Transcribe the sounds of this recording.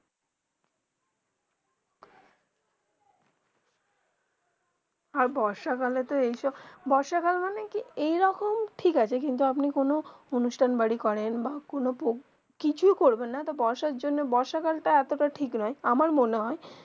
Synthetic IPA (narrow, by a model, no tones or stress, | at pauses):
aɾbɔɾʃakalet̪oejʃɔbbɔɾʃakalmanekiejɾɔkomʈʰikat͡ɕʰekint̪̬uapnikonoonuʃʈʰanbaɽikɔɾenbakonopo | kit͡ɕʰujkoɾbenːat̪obɔɾʃaɾd͡ʑonːebɔɾʃakalʈaɛt̪oʈaʈʰiknɔeamaɾmoneɦɔe